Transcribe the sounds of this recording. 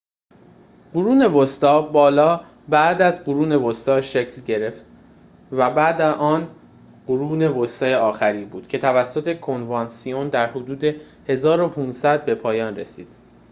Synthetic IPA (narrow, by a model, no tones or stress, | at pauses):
ɢ̥uɾuːne̞vost̪ɒːbɒːlɒː | bæd̪æzɢuɾuːne̞vost̪ɒːʃecʰlɟe̞ɾe̞ft̪ | væbæd̪æʔɒːn | ɢ̥oɾuːne̞vost̪ɒːjeɒːxæɾiːbuːd̪̥cʰe̞t̪ʰævæsːot̪ʰe̞kʰo̞nvɑnsiond̪æɾhod̪uːd̪e̞ | he̞zɒːɾo̞pʰuːnsæd̪̚be̞pʰɒːjɒːnre̞̰siːd̪̥